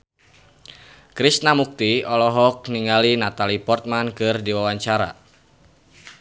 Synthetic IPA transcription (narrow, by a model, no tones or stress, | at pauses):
kɾisnamuk̚t̪iɔlɔɦɔk̚niŋalinat̪alipɔrt̪̚mankɨrdiwawaɲt͡ʃaɾa̰